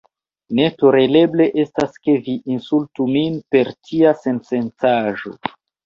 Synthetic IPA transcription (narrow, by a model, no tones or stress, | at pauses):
ne̞toɾele̞ble̞ʔe̞staske̞viʔːnsultuminpe̞ɾtʰiase̞nse̞nt͡saʒo̞̰